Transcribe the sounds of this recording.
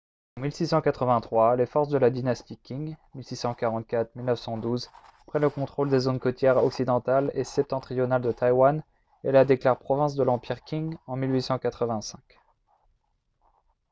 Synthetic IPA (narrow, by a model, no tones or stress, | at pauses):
ɑ̃milsisɑ̃kat̪χəvɛ̃t̪χwalefɔʁsd̪əlad̪inast̪ikʲiŋmilsisɑ̃kaʁɑ̃t̪̚kʲat̪χmilnəfsɑ̃d̪uz | pχɛləkɔ̃t̪χold̪ezonkɔt̪jɛʁɔksid̪ɑ̃t̪alesɛp̚t̪ɑ̃t̪χijɔnald̪ət̪ajwan | ɛlad̪eklaʁpχɔvɛ̃s̬d̪əlɑ̃piʁkʲiŋɑ̃milɥisɑ̃kat̪χəvɛ̃sɛ̃k